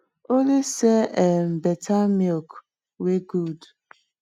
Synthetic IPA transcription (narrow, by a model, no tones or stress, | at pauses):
oleseɛm̩betʰamɔk | weɡud